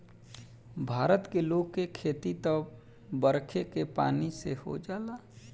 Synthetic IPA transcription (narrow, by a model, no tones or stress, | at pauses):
bʱaːɾət̪keloːɡkekʰeːt̪it̪ə | bəɾkʰekepa̰ːniseho̰d͡ʒaːlaː